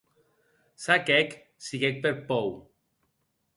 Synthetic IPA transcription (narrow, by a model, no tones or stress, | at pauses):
sakɛk | siɣɛk̚peɾpɔw